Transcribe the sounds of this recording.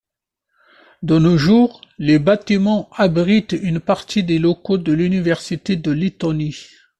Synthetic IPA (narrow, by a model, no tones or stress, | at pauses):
d̪ənoʒuːʁlebat̪imɑ̃abʁit̪ynpaʁt̪id̪elokod̪əlynivɛʁsit̪ed̪əlit̪ɔni